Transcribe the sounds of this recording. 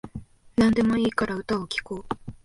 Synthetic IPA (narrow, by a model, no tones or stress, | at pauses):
nãnd̪e̞mo̞iːkaɾaɯ̟t̪aokʲi̥koː